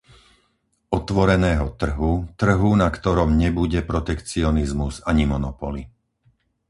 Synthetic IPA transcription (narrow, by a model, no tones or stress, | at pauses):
ɔt̪ʋɔɾɛnɛːɦɔt̪r̩ɦut̪r̩ɦunakt̪ɔɾɔmɲɛbuɟɛpɾɔt̪ɛkt͡siɔnizmuzaɲimɔnɔpɔli